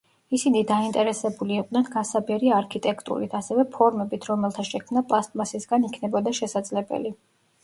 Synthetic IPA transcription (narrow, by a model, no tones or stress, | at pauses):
isinid̪aint̪ʼɛɾɛsɛbuliːqʼd̪ɛnɡasabɛɾiaɾkʰit̪ʼɛkʰt̪ʼṵɾḭt̪ʰasɛvɛpʰɔɾmɛbit̪ʰɾɔmɛlˠt̪ʰaʃɛkʰmnapʼlˠast̪ʼmasisɡanikʰnɛbɔd̪aʃɛsad̪zlɛbɛ̰li